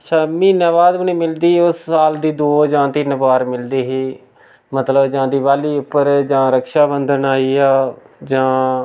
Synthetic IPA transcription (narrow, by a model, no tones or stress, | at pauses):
ətːʃʰaːmiːnaːʋaːd̪mənĩːmɪld̪iːʊssaːld̪iːd̪oːd͡ʒãːt̪ɪnbaːɾmɪld̪iːɦiː | mət̪ləbd͡ʒãːd̪iːʋaːliːʊpːəɾd͡ʒãːɾəkʃaːbənd̪ənaːiːaː | d͡ʒãː